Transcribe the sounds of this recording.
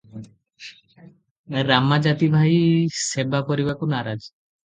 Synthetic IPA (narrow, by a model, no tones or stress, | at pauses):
ɾamad͡ʑat̪ibʱajsebapoɾibakunaɾad͡ʑ